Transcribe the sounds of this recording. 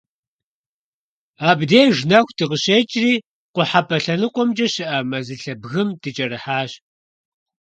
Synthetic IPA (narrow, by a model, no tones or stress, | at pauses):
aːbdeːʒnɐxʷtʰɨʁəɕeːt͡ʃʼriː | qʷʊħapʰɐɬɐnɨqʷʼɔmd͡ʒʼɐɕɪʔɐmɐzɨɬɐbɣɨmdɨt͡ʃʼɐɾɨħaːɕ